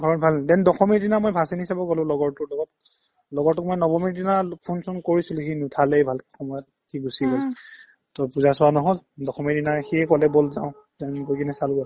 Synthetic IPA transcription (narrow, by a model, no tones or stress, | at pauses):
bʱaɔtbʱaldɛndɔxɔmiɹdinamojbʱasinisabɔɡɔlʊ̃lɔɡɔɹtʊɹlɔɡɔt̚ | lɔɡɔɹtːʊk̚mojnɔbɔmiɹdinapʰunsunkoɹisiluxinutʰalɛbʱalkɛxɔmɔjɔt̚ | xiɡusiɡɔl | tɔpuzasʊwanɔɦɔldɔxɔmiɹdinaxiɛkɔlɛbolza̰ʊ̃ | zanɡokinɛsalɡɔ